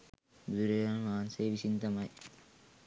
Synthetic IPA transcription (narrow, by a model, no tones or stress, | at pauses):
bud̪uɾejanmaːnseːʋisint̪ɐmɐj